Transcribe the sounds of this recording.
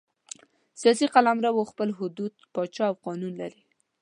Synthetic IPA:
sijɑsiqalamɾawoxpəlɦʊd̪ud̪̚pɑt͡ʃɑawqɑnunlaɾi

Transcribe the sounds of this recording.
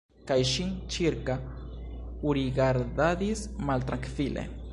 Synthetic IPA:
kajʃiŋt͡ʃiɾka | uɾiɡaɾd̪aðismalt̪ɾaŋkfilʔḛ

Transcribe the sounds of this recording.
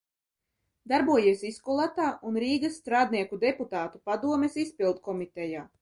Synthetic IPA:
d̪aɾbuɔjiɛsiskulˠat̪aːʔunɾiːɡasːt̪ɾaːd̪̚niɛkud̪eput̪aːt̪upad̪uɔmɛsispilˠt̪̚kɔmit̪ɛjaː

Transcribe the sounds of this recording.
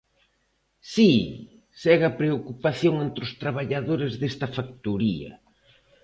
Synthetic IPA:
si | sɛɣɐpɾeokupaθjoŋent̪ɾʊst̪ɾaβ̞aʎaðoɾɪzðest̪ɐfak̚t̪uɾiɐ̰

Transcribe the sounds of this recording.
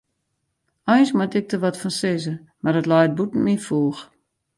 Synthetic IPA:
ɔjnsmatɪk̚dəʋɔtfɔnsɪzə | mardətlɔjt̚butn̩mifuːx

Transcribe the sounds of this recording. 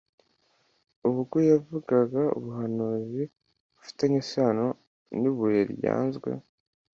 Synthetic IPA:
uβuɡujavuɡaɡaṵβuɦanuzi | βufi̥teŋisaːno | niβujeɾja̰ːnzɡwe̞̰

